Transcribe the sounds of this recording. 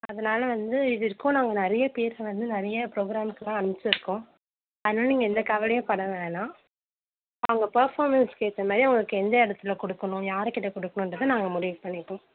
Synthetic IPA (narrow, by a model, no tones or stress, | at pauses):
ɐðɐnaːlɐʋɐnd̪ɯɪðɪɾɯkːʊ̃naːŋɡɐnɪɾɐjɐpeːɾʋɐnd̪ɯnɪɾɐjɐpɾoːɡɪɾaːmɪkːɯlãːɐɳɯmɪt͡ʃːɾɯkːʊ̃ | ɐðɐnaːlɐniːŋɡɐɛnd̪ɐkɐʋɐlɛjʊ̃pɐɽɐʋẽːnãː | ɐʋɐŋɡɐpɐɾfaːɾmɐnskeːt̪ːɐmaːðɾiɐʋŋɡɐɭɯkːɯɛnd̪ɐɪɽɐt̪ːɪlɐkɔɽɯkːɐɳʊ̃jaːɾɛkɪʈːɐkɔɽɯkːɐɳʊ̃nrɐðɯnaːŋɡɐmʊɾɪʋpɐɳːɪʈːõ